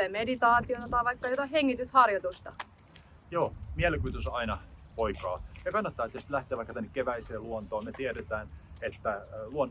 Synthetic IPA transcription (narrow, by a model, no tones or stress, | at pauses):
emedit̪ɑːt̪ionot̪ɑiʋɑikːɑjot̪ɑiheŋːit̪yshɑrjot̪ust̪ɑ | joːmiælkyːt̪ysɑinɑpoikɑːjɑkɑnːɑt̪ːɑːet̪ːæsit̪læht̪ˑeːʋɑˑikːɑt̪ænːekkeʋæiseːluont̪oːmet̪ieɾet̪æːnet̪ːæluon